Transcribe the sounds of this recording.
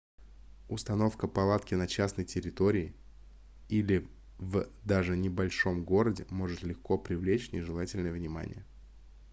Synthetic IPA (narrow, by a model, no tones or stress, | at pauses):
ʊst̪ɐno̞fkəpɐlˠat̪kʲɪnɐt͡ɕasnəjtʲɪɾʲɪt̪o̞ɾʲɪː | ilʲɪ | vd̪aʐɨnʲɪbɐlʲʂo̞mɡo̞ɾədʲɪmo̞ʐɨt̪lʲɪxko̞pɾʲɪvlʲet͡ɕnʲɪʐɨlˠatʲɪlʲnəjəvnʲɪma̰nʲɪ̰jə